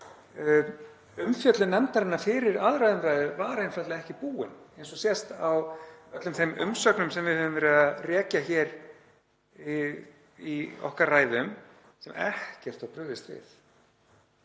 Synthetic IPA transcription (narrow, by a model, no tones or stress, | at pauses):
ʏmfjœt̪lʏnːɛmt̪aɾɪnːafɪːɾɪɾaðɾajðʏmrajðʏvaːɾejnfɾat̪laɛhcɪpuːɪ̰nejnsɔsjɛst̪awœt̪lʏmθejmʏ̰msœknʏmsɛmvɪðhœːvʏmvɛːɾʏarɛːcaçɛːɾ | iɔ̰hkarraːjðʏm | sɛmʔɛ̰hcɛr̥t̪apɾʏːðɪst̪vɪ̰θ